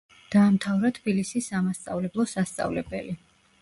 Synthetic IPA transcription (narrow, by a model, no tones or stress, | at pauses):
d̪̥aːmt̪ʰavɾat̪ʰb̥ilisisamast̪sʼa̰vlɛblˠɔsast̪sʼa̰vlɛbɛ̰li